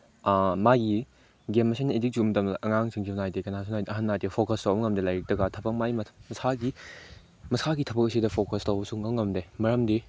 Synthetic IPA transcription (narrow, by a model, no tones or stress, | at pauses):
maɡi | ɡemːɐsʰenɐedik̚zumdɐmʔɐŋaŋsiŋzinajdekɐnasʰunajdɐɦɐnːadepʰokɐstawbɐŋɐmdelajɾɐk̚dɐɡatʰɐbɐk̚majmɐmɐsaɡi | mɐsaɡitʰɐbɐksidɐpʰokɐstawbɐsuŋːɐŋɐmdemɐɾɐmdi